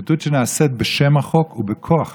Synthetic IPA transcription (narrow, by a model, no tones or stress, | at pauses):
t̪ut̪ʃeneaset̪̚beʃemaχokubekʰoaχ